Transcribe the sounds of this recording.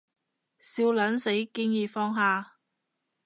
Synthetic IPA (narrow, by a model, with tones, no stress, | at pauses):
siː˧wlɐ˨˥nse˨˥jkiː˥ŋjiː˨˧fɔː˥ŋɦaː˨˧